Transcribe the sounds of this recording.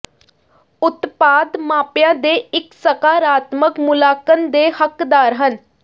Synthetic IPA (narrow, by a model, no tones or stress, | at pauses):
ʊt̪paːd̪maːpjãːd̪eːɪksəkaːɾaːt̪məkmʊlaːkənd̪eːhəkd̪aːɾɦən